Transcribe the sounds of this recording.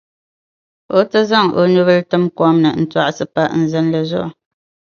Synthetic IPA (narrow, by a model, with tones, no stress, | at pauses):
o˦tə˦za˦˨ŋo̰˨nu˦βə˦ltɨ˦mkwɔ˦mnə̰˨n̩˨twa̰˦ʔsɨ˨pa˦˨ʔn̩˨zɛ˦nlə˨zɔ̰˦ʔ